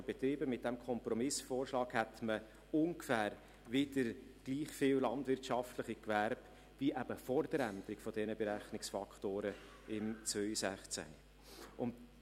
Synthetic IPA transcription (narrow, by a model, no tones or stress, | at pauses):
əbɛt̪ɾiːbəmɪt̚d̥ɛmkʰɔmpɾɔmɪsfoːɾʃlɑːkhɛt̪mə | ʊŋkfæːɾ | ʋɪd̥əɾɡ̥liːχfɪwlɑndvɪɾtʃɑft̪ləχikʋæɾb | viʔæbəfɔɾd̥̪əɾænd̪əɾɪkfɔd̥ɛnəbɛɾæχnɪksfɑkχtoːɾə | ɪmt͡sʋœʏsæχt͡sæ̰nḭ | ʊnt